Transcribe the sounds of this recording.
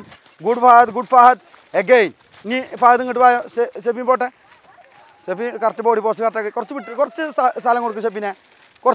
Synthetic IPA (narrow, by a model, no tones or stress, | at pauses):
ɡuɽfaːhɐd̪ɡuɖfaːɦɐt̪ | eɡeːjn | inifaːhɐðɨŋiʈ̬ːɨʋaːjoeɕefinpoʈːe | sefikɐrɐtːɐpoːɽipoːsɨkɐrʈːɐɡekurɐt͡ɕːɨʋiʈːɨkurɐt͡ɕːɨsasaːlɐŋkoɽukːumɕ̬epːine | kurɐ